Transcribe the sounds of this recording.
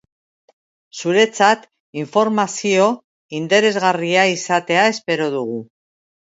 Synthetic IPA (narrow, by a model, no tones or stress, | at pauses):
suɾe̞t͡sat̪ | iɱfo̞ɾmasio̞ | int̪e̞ɾe̞zɣariaisat̪e̞ae̞spe̞ɾo̞ðuɣu